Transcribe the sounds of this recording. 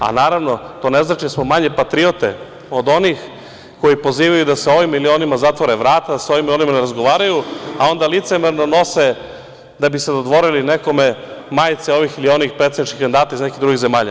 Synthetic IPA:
a̰naːɾaʋno̞t̪o̞ːne̞znat͡ʃid̪asmomaɲe̞pat̪ɾio̞t̪e | o̞d̪o̞nix | ko̞jipo̞ziːʋajud̪aseo̞ʋimːilio̞ːnimazat̪ʋoɾeʋɾaːt̪ad̪aso̞vimilio̞nimaneɾazɡo̞ʋaːɾajuao̞nd̪alit̪semeɾno̞no̞se | d̪abised̪od̪ʋo̞ɾilineko̞me̞maːjt̪seo̞ʋixilio̞nixpɾet̪ed̪nit͡ʃʃkixand̪aːt̪aiznekid̪ɾuɡiɣze̞maːʎa̰

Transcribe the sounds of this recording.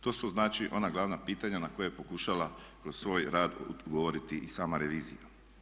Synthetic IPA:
t̪o̞ːsuznaːt͡ʃiʔo̞naɡlˠaʋnapiːt̪aɲanako̞jejepo̞kuʃalakɾo̞ssʋo̞ːjɾaːd̪ɡoʋoɾit̪iʔisaːmaɾe̞ʋiːzḭja̰

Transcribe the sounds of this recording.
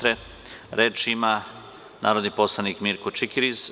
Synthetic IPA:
ɾe | ɾeːt͡ʃima | nʔa̰ːɾod̪niposlˠanikmiɾkot͡ʃikiɾis

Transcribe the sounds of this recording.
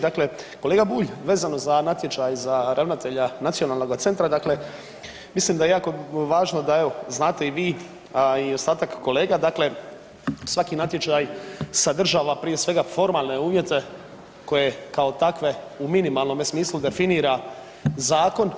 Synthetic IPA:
d̪akle̞koleːɡabuːʎʋe̞ːzano̞zanat̪je̞t͡ʃajzaɾʔaʋnat̪e̞ʎanat̪sijo̞naːlˠno̞ɡat̪se̞nt̪ɾad̪akle̞ | misliːmd̪ajejaːkoʋaːʒno̞d̪aeʋo̞znaːt̪e̞iʋiː | io̞st̪aːt̪akːo̞le̞ːɡad̪akle̞ | sʋakinat̪je̞t͡ʃajsad̪r̩ʒaːʋapɾije̞sʋe̞ɡafo̞ɾmaːlˠne̞uːʋje̞t̪e̞ | ko̞je̞kao̞t̪akʋe̞uminimaːlnomesmiːslud̪e̞finiːɾa | zaːko̞n

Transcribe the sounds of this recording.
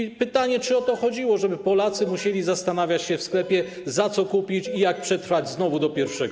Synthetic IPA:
pɘt̪aɲɛt͡ʂɘɔt̪ɔxɔd͡ʑiwɔʐɛbɘpɔlat̪sɘmuɕelʲizast̪anavʲjat͡ɕɕɛfsklɛpʲjɛ | zat̪sɔkupʲit͡ɕijak̚pʂɛt̪ɾfad͡ʑznɔvud̪ɔpʲjɛɾfʂɛɡ

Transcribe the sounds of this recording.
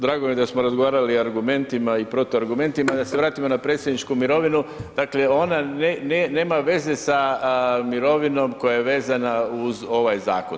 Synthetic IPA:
d̪ɾaːɡomje̞d̪asmoɾazɡo̞ʋaːɾaliaɾɡume̞nt̪imaipɾo̞t̪oaɾɡume̞nt̪imad̪ase̞ʋɾaːt̪imo̞napɾe̞ːt̪sʲjed̪nit͡ʃkumiɾo̞ʋinud̥̪akle̞o̞nanenene̞ːmaʋe̞ze̞samiɾo̞ʋino̞mko̞jajeʋe̞ːzanauzo̞ʋajza̰ːko̰n

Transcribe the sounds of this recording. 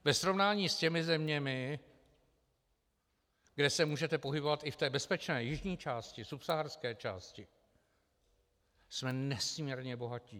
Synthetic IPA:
vɛsɾo̞vnaːɲiːscɛmɪzɛmɲɛmɪ | ɡdɛsɛmuːʒɛt̪ɛpo̞ɦɪbo̞vat̪ɪft̪ɛːbɛspɛt͡ʃnɛːjɪʒɲiːt͡ʃaːscɪsupsaɦarskɛːt͡ʃa̰ːscɪ | smɛnɛsmɲɛɾɲɛbo̞ɦaciː

